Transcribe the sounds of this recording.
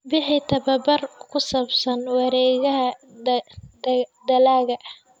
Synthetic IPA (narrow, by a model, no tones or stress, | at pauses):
bɪħɪt̪ʰɐβɐbɐrkʰʊsɐbsɐnwɑɾɛːɣɐɦɐ | d̪d̪ɐlaːɣɐʔɐh